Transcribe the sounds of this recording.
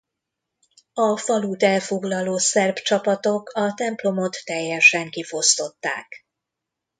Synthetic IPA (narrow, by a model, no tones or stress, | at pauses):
ɒfɒluːt̪ɛlfo̞ɡlɒloːsɛrbt͡ʃɒpɒt̪o̞kɒt̪ɛmplo̞mo̞t̪ːɛjːɛʃɛŋkifo̞st̪o̞t̪ːa̰ːk